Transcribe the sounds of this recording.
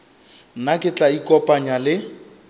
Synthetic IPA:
nakʼɪt͡ɬʼaikɔpʼaɲalɪ

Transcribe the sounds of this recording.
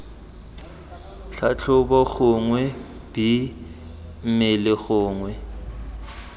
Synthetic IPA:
ɬʰat͡ɬʰʊbɔɣʊŋwɛ | b̥i | m̩mɪlɪɣʊːŋwɛ

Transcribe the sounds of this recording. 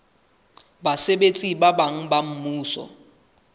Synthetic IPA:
basebet͡sʼibabaŋ̩bam̩muːsɔ̰

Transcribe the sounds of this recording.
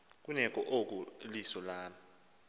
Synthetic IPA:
k̬unɛk̬ʼɔʔok̬ulisɔlaːmi

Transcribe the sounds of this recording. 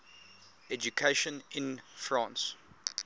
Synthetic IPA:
ɛd͡ʒukʰeʃə̃nɪ̃nfɹɑ̃ːns

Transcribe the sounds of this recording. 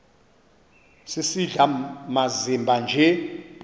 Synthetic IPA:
sisiɮamazimbʱand͡ʒʱɛ

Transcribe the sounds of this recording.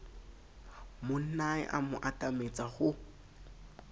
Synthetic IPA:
mʊn̩naɪ̰ʔamʊʔatʼamet͡sʼaɣʊ

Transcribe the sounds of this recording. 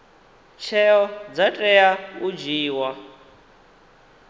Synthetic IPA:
t͡ʃʰɛɔd͡zatʼɛaud͡ʒiːwa

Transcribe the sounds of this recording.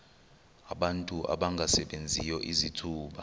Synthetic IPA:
aɓantʼuʔa̰ɓaŋɡʱasɛɓend͡zʱijɔʔizitʰuːɓa

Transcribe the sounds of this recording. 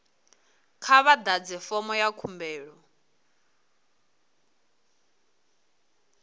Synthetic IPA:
kʰaβad̪ad͡zɛfɔmɔjakʰumbɛːɺɔ

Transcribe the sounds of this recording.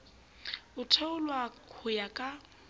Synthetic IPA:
ʊtʰaʊlwakʰʊjakʼa

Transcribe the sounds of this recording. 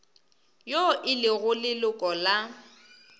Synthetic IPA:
joʔɪlɪɣʊlɪlʊkʼɔla

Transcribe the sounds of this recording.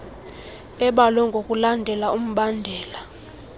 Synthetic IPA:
ɛɓalɔŋɡʱokʼulandʱɛlaum̩ɓandʱɛːla

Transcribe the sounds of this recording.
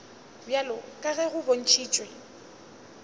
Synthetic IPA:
bjalɔkʼaɣɛɣʊbon̩t͡ʃʰiːt͡ʃʼwɛ

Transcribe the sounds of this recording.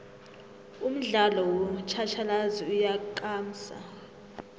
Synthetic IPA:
um̩ɮalɔwɔt͡ʃʰat͡ʃʰalaziujakʼaːm̩sa̰

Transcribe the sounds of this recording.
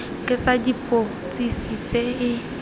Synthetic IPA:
kʼɪt͡sʼadipʼo | t͡sʼisit͡sʼeɪ

